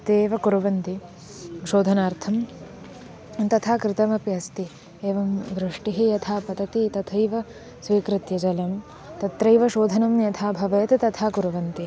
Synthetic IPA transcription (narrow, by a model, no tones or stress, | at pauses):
t̪eːʋɐkuɾuʋɐnt̪i | ʃoːd̪ʱɐnaːɾt̪ʰɐm | t̪ɐt̪ʰaːkɾɪt̪ɐmɐpjɐst̪i | eːʋɐmʋɾɪʂʈiɦijɐt̪ʰaːpɐd̪ɐt̪it̪ɐt̪ʰɐjʋɐ | sʋiːkɾɪt̪jɐd͡ʒɐlɐm | t̪ɐt̪ɾɐjʋɐʃoːd̪ʱɐnɐmjɐt̪ʰaːbʱɐʋeːt̪t̪ɐt̪ʰaːkuɾuʋɐnt̪i